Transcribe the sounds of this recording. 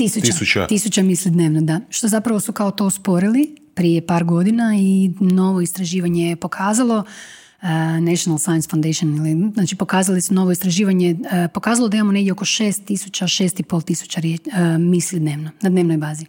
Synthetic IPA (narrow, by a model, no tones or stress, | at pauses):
t̪isut̪t͡ʃat̪isut͡ɕamislʲid̪neːʋnod̪aʃt̪o̞zapɾaʋosukaot̪o̞ːspo̞ɾilipɾijepaːɾɡo̞d̪inaino̞ʋo̞ist̪ɾaʒiːʋaɲejpo̞kʰaːzalˠo̞ | nɛʃonalˠsajansfawnd̪eʃioniliznaːt͡ʃipo̞kaːzalisuno̞ʋo̞ist̪ɾaʒiːʋaɲepo̞kaːzalˠod̪aimamoneɡdʲjeoko̞ʃe̞ːst̪ːisut͡ɕaʃe̞ːst̪ipo̞lˠt̪isu̥t͡ɕaɾjemislʲid̪ne̞ːʋnonad̪neʋnojbaːzi